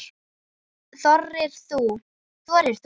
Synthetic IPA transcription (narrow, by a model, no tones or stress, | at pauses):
θɔrːɪɾ̥θu | θvɔɾɪɾ̥θ